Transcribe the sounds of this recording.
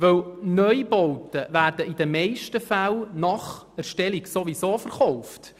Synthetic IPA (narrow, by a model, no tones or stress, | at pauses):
ʋɵwnœʏbɔwtəʋæːrd̥əid̥̪əmɛɪʃtəfælnɑχ | æɾʃtɛliksoʋisoːfəɾχɔwft